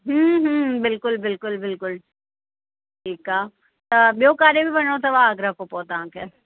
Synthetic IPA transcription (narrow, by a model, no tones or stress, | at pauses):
ɦəɦbɪlkʊlbɪlkʊlbɪlkʊl | ʈʰiːkaː | t̪ɐbjokaːɾebʱibɐnot̪ʰaʋaːɡɾakopoːt̪aãːke